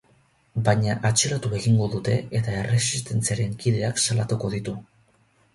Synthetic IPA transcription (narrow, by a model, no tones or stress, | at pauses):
bajɲaʔat͡ʃe̞ɾat̪ue̞ɣiŋɡo̞ðut̪e̞et̪ae̞re̞sist̪e̞nt͡siaɾe̞ŋkiðe̞aksalat̪uko̞ðit̪u